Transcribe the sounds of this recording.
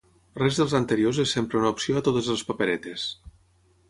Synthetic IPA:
rɛzðəlˠzant̪əɾiozesːempɾeunaupsioat̪ot̪əzelˠspapeɾɛt̪es

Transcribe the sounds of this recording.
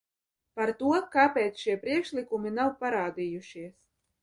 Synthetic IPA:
paɾt̪uɔkaːpʲeːt̪sʃiɛpɾiɛkʃlʲikuminawpaɾaːd̪ijuʃiɛs

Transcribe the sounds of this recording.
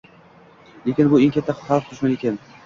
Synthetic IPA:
lekʲɪnbʊeŋʲkʰʲat̪ʰːaχɑlˠft̪ʰʊʃmanekʲʰan

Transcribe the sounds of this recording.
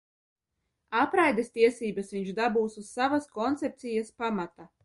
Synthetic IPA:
apɾajd̪est̪iɛsiːbasʋiɲʒd̪abuːsuz̥savaskɔnt̪sɛp̚t̪sijaspamat̪a

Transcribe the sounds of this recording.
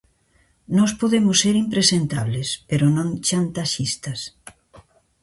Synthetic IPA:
nɔspoðemʊsːeɾimpɾesent̪aβlespeɾonõŋt͡ʃant̪aʃist̪ɐs

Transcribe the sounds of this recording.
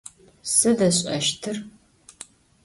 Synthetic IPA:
sɨdɐɕʼɐ̰ʃtʰɨr

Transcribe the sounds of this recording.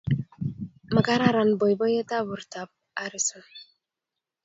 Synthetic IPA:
maɡaɾaɾanbɔjbɔjet̪abuɾt̪ab̚ | aɾisun

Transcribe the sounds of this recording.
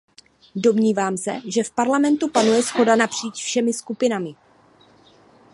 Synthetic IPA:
do̞mɲiːvaːmsɛ̰ʒɛfpaɾlamɛnt̪upanujɛsxo̞danapr̝̥iːt͡ʃfʃɛmɪskupɪnamɪ

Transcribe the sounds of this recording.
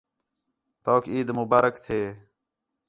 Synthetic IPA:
t̪oːkiːd̪mʊbaːɾəkt̪ʰeː

